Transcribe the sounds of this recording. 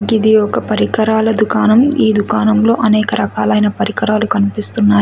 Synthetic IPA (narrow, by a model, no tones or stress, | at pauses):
ɡid̪iɔkɐpɐɾikɐɾaːlɐd̪ukaːnɐmiːd̪ukaːnɐmlo̞ːʔɐnɛːkɐɾɐkaːlɐjnɐpɐɾikɐɾaːlukɐnipist̪unːaːj